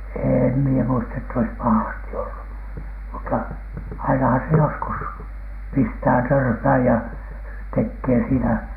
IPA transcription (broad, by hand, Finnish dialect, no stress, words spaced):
eːm mie muistɑ etː ois pɑhɑsti olːu mutːɑ ɑinɑhɑn se joskus pistæː tørmhæˑj jɑ tekːeː siːnæ